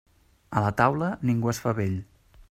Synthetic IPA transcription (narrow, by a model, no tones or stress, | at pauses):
ələt̪awləniŋɡuəsfaβeʎ